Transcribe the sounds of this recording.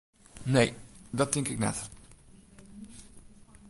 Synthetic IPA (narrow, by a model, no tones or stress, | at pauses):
nejdɑt̚ɪŋkɪknɛ̰t